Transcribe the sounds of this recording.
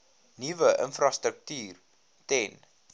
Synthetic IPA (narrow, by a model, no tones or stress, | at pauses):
nivəʔə̰nfrɑst̪ɾək̚tyːr | tɛn